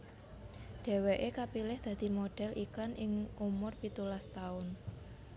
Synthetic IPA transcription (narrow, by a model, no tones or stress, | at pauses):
ɖ̥e̤weʔekapilɪhd̪̥ä̤d̪̥i̤moɖ̥ɛ̤lʔikanɪŋʔumʊrpit̪ulast̪aʊn